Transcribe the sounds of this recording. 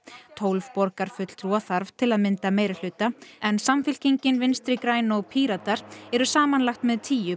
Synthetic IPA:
t̪ʰoːwlvpɔɾkaɾ̥fʏt̪l̥t̪ʰɾwɔθaɾv̥t̪ʰɪlaðmɪnt̪ameːjɾal̥ʏːt̪aɛnsamfɪl̥ciɲcɪnvɪnst̪ɾɪkɾaːjnɔɣpʰiːɾat̪aɾ̥ɛɾʏsaːmanlaxt̪mɛðt̪ʰiːjʏ

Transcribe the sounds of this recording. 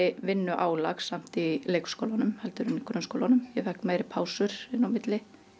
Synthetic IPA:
ɪvɪnːʏʔaːwla̰xsam̥t̪ileːjkskowlanʏmhɛlt̪ʏɾʏnikʰɾʏnskowlanʏmjɛθɛhkmajɾɪpʰaːwsʏɾ̥ɪnːawmɪt̪lɪ

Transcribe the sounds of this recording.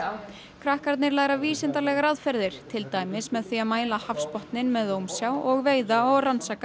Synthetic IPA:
kʰɾahkaɾt̪nɪɾlaːɣɾaviːsɪnt̪alɛɣaɾaðfɛɾðɪɾ̥t̪ʰɪlt̪aːjmɪsmɛðθiaðmaːjlahafspɔht̪nɪnmɛðowmsjaːwɔɣveːjðaɔɣransaːka

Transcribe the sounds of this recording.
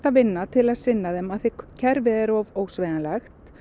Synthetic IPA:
t̪avɪnːat̪ʰɪlaðsɪnːaðɛmaðθɪcʰɛɾvɪðɛɾɔvoːwsvɛðanlɛxt̪

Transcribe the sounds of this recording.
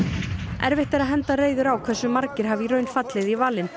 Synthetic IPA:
ɛ̰ɾvɪht̪aɾaðɦɛnt̪areːjðʏɾawkʰvɛsːʏmaɾcɪɾ̥ɦavirœɥnfat̪lɪðivaːlɪn

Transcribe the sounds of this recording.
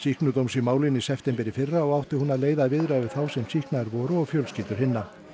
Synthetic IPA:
sihknʏt̪owmsimaːwlɪnisɛft̪ɛmpɛɾɪfɪrːaɔɣawht̪ɪhunaðleːjðaðvɪðɾavɪɾθawsɛmsihknaɾvɔːɾʏɔɣfjœlsciːt̪ʏɾ̥hɪnːa

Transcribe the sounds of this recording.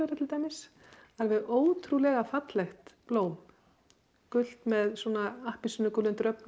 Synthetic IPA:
ɛɾat̪ʰɪlt̪aːjmɪs | aɾvɪðoːwt̪ʰɾulɛɣafat̪lɛxt̪ploːwm | kʏl̥t̪mɛðsuːnaahpinsʏnːʏkʏlʏnt̪ɾœpn

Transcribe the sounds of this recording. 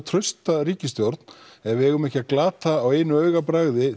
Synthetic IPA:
t̪ʰɾœɥst̪aɾiːcɪst̪jowɾt̪n̥ɛvɪɛɣʏmɛhcɪaklaːt̪aːweːjnʏœːɥɣapɾaɣðɪ

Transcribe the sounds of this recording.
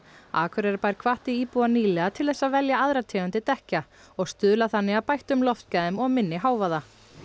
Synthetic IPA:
a̰ːkʰvʏɾɛɾpajɾ̥kʰv̥aht̪iiːpuaniːlɛɣat̪ʰɪlθɛsːavɛljaaðɾat̪ʰɛːʏnt̪ɪt̪ɛhca | ɔɣst̪ʏːðlaθanːɪaðpajht̪ʏmlɔft̪̚caðɪmɔɣmɪnːɪɦaːwvaða

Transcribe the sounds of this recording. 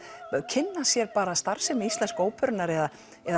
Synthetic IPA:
cʰɪnːasjɛɾpaːɾast̪aɾ̥sɛmist̪lɛnskoːwpʰœɾnaɾɛða | ɛð

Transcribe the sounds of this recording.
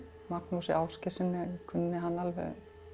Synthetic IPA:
mak̚nusɪ̰ʔawscɪsɪnːɪkʰʏnːɪɦanːalvɛ̰ɣ

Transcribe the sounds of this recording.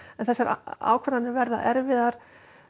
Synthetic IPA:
ɛnθɛsːaɾa̰ːwkʰvɛɾanɪvɛɾðaɛɾvɪðaɾ̥

